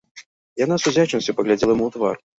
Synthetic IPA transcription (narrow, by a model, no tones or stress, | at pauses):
janasuzʲat͡ʃɛnsʲɐpɐɣlʲad͡zʲɛlˠɐjmuwt̪va̰r